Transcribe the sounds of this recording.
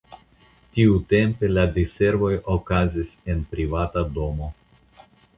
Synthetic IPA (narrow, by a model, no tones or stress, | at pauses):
tiute̞mpe̞ladise̞ɾvo̞jokazise̞npɾivatado̞mo̞